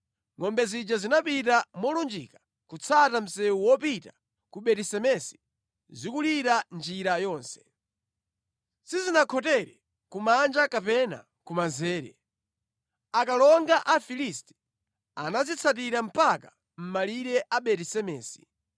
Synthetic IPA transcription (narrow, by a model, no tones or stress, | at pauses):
ŋɔmbɛzid͡ʒazinapitamɔlund͡ʒḭka | kut͡sʰatam̩sɛuwɔpita | kuɓɛtisɛmɛsi̥ | zikuliɾand͡ʒiɾajɔːnsɛ̥ | sizinakʰɔtɛɾɛ | kumand͡ʒakapɛna̰ | kumazɛːɾɛ̰ | akalɔŋɡaʔafilistɛ̥ | anazit͡sʰat̬iɾam̩paka | m̩maliɾɛʔaɓɛtisɛmɛːsi̥